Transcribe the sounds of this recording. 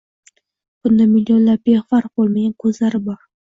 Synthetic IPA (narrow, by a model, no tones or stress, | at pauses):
b̥ʊnd̪amilʲjonlap̚behvaɾbolˠmaɡʲankʰɵzlaɾɪbɒɾ